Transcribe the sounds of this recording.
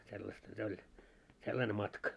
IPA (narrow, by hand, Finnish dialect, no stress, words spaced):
selːɑstɑ se olʲ selːɑne mɑtkɑ